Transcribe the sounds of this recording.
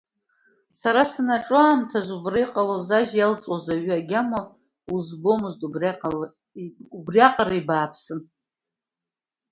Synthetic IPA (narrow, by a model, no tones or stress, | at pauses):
saɾasanaʈ͡ʂʼʊaːmtʰazʷubrɨjqʼalozaʒjalt͡sʼozaɥaɡʲama | uzbo̞mɨztub | ubrjaqʼaɾaibaːpʰsɨn